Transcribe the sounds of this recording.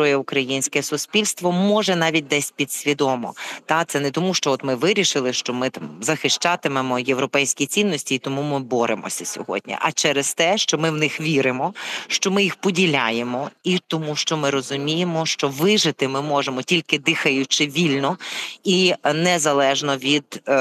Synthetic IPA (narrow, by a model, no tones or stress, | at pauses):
ɔjɛʊkɾɐjinʲsʲkɛsʊspʲilʲst̪ʋɔmɔʒɛnɑʋʲit̚ʲd̪ɛsʲpʲid̪sʲʋʲid̪ɔmɔ̰t̪ɑt̪sɛnɛt̪ɔmuʃt͡ʃɔɔt̪mɪʋɪɾʲiʃɪlˠɪʃt͡ʃɔmɪt̪ɑmzɐxɪʃt͡ʃɑt̪ɪmemɔjewɾɔpɛjsʲkʲit͡sʲinːɔsʲtʲiːt̪ɔmumɪbɔɾʔḛmɔ̰sʲɐsʲɔ̰ɦɔ̰d̚ʲnʲḭʔɐt͡ʃɛɾest̪ɛʃt͡ʃɔmɪwnɪxʋʲiɾɪmɔʃt͡ʃɔmɪjixpɔdʲilʲajemɔit̪ɔmuʃt͡ʃɔmɪɾɔzʊmʲijemɔʃt͡ʃɔʋɪʒɪt̪ɪmɪmɔʒemɔtʲilʲkɪd̪ɪxɐjʊt͡ʃɪʋʲilʲnɔinɛzɐlˠɛʒnɔʋʲid̪̥